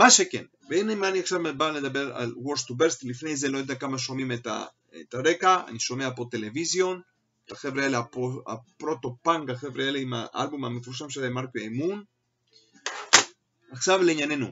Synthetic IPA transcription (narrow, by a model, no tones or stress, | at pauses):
maʃekḛn | veinejmaːniaχʃavmebaled̪abeʁa̰lwoɾst̪ubeɾst̪lifne̞jzelo̞jad̪akamaʃo̞mimet̪a̰ | et̪aɾekaa̰niʃo̞meapot̪e̞levizjo̞n | t̪aχevɾaeliaoa̰pɾo̞t̪o̞paŋɡaχevɾealiima̰ʔa̰lbumamefuʁʃ̬amʃealemaʁkoajmun | aχʃavleiɲanenu